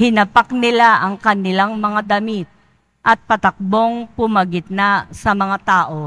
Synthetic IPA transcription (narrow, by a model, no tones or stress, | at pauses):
hɪnɐpaknɪlaʔɐŋkɐnɪlaŋmɐŋad̪ɐmit̪̚ | ʔɐt̪̚pɐt̪ɐk̚bo̞ŋpʊmɐɡɪt̪̚nasɐmɐŋat̪aːʔo̞